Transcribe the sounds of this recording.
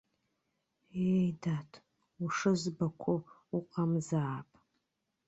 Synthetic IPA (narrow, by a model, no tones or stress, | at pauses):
ejdatʰ | uʂɨzbakʷʰʊ | uqʼamzaːpʼ